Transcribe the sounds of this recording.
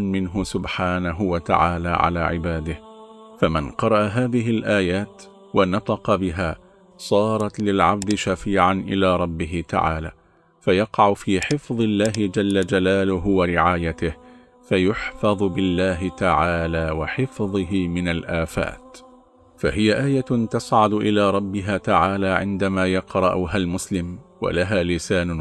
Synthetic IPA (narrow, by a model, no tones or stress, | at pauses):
ʔanmɪnɦʊsʊbħaːnaɦʊwat̪a̰ʕaːlaːʕa̰la̰ːʕɪ̰baːd̪ɪhfamɪnqɑɾˤɑʔaɦaːðɪɦɪlʔaːjaːt̪ | wanɑt̪ˤɑqɑbɪɦaː | sˤɑːɾˤɑt̪lɪlʕabd̪ɪʃafiːʕanʔɪlaːɾˤɑbːɪɦɪt̪a̰ʕa̰ːla̰ː | fajɑqɑʕʊfiːħɪfðˤɪlːaːɦɪd͡ʒalːad͡ʒalaːlʊɦʊwaɾɪʕaːjat̪ɪh | fajʊħfɑðˤbɪlːaːɦɪt̪aʕaːlaːwaħɪfðˤɨɦɪmɪnalʔaːfa̰ːt̪ | fa̰ɦɪjaʔaːjat̪ɑsʕʊd̪ʊʔɪlaːɾˤɑbːɪɦaːt̪aʕaːlaːʕɪ̰nd̪amaːjɑqɾˤɑʔʊɦalmʊslɪmwa̰laɦaːlɪsaːn